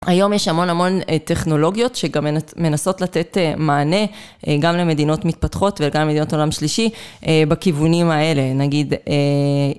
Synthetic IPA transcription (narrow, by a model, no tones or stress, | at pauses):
ajo̞mjeʃhamo̞namo̞nte̞χno̞lo̞ɡjo̞tʃe̞ɡamme̞naso̞tlate̞temaːne̞ | ɡamle̞me̞d̪ino̞tmit̪̚patχo̞tveleɡamlemeino̞to̞lamʃliʃibakivunimae̞le̞naɡid̪e